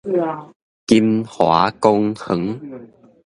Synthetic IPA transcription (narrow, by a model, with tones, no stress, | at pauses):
ki˧mhwa̰˨˧˦ko˧ŋhə˨˦ŋ